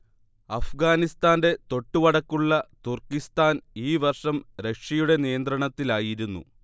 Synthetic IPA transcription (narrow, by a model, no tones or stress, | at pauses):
ɐfɡaːnist̪aːnde̞t̪o̞ʈːuʋɐɽɐkːuɭːɐt̪urkist̪aːniːʋɐrʂɐmɾekʂɐjuɽe̞nijɐnd̪ɾɐɳɐt̪ːilaːjiɾunːṵ